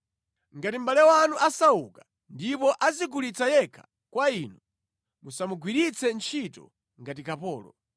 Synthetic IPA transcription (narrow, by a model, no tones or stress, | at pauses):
ŋɡatimbalɛwanuʔasauka | ndipɔʔazikulit͡sajɛkʰḁ | kwaiːnu | musamuɡʱwiɾit͡sɛnt͡ʃʰitɔ̰ | ŋɡatikapɔːlɔ̰